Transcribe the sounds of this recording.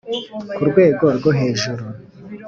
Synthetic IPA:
kuɾɡwe̞ːɡo̞ɾɡoɦe̞ːʒuɾu

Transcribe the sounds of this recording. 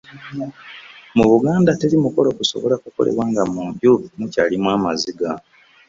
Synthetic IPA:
muβuɡaːndate̞limuko̞lokuso̞̰βo̞lakuko̞̰le̞̰βwaːŋɡamuːmbjumucaːlimwaːmaziɡa

